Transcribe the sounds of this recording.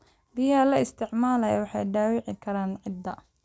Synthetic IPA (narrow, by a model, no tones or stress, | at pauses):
bɪjɐlɐɪst̪ʰɪʕmaːlɐjwɑħɑjɖaːwɪʕɪkʰɐɾaːnʕɪd̪ːɐ